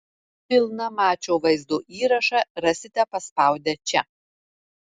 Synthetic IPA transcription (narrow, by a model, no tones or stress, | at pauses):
pʲɪlˠnɐmɑːt͡ʃʲoːʋɐɪzd̪uːʔiːɾɐʃɑɾɐsʲɪt̪ʲɛpɐspɑˑʊd̪ʲɛt͡ʃʲɛ